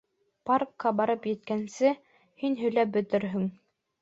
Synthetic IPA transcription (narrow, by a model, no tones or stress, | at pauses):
parkːɑbɑɾɤpjɘ̆t̪̚kænsɘ | hinɦɵ̆jlæp̚bɵ̆t̪ɘɾɦɵŋ